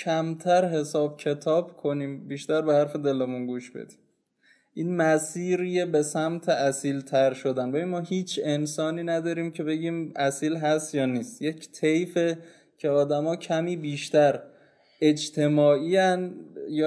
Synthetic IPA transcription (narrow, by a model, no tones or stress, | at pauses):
cʰæmt̪ʰæɾɦe̞sɒːb̚cʰe̞t̪ʰɒːb̥kʰo̞niːmbiːʃt̪æɾbehæɾfe̞d̪e̞lemunɡuːʃb̥ḛd̪̥i̥ːm | ʔiːnmæsiːɾijebe̞sæmt̪ʰeʔæsiːlt̪ʰæɾʃod̪ænbebinmɒːɦiːt͡ʃʰe̞nsɒːniːnæd̪ɒːɾiːmcʰe̞be̞ɟiːmʔæsiːlɦæst̪jɒːniːst̪je̞cʰt̪ʰejfe̞ | cʰe̞ɒːd̪æmɒːcʰæmiːbiːʃt̪æɾ | e̞d͡ʒt̪ʰe̞mɒːʔiːænjɒ